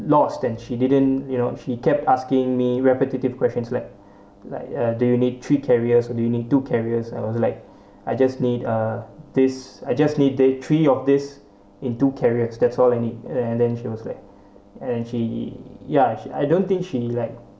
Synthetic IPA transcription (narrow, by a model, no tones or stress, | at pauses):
lɔstɛ̃nʃididə̃njunoʃikɛp̚taskɪ̃ŋmiɹɛpətitiv̥kʰwɛst͡ʃə̃nslaɪk̚ | la̰ɪkʌdujunid̚tʰɹikʰɛɹiəsɔdujunid̚tukʰɛɹiəsaɪwɔslaɪk̚ | aɪd͡ʒasnidʌdɪsajd͡ʒasnid̚dɪtʰɹiɔfdɪs | ɪ̃ntukʰɛɹiəsdɛtsɔlaɪnid̚ɛ̃ndɛ̃nʃiwɔsla̰ɪk̚ | ɛ̃nʃijaia̰jdõnt̪ɪ̃ŋkʃilaɪk̚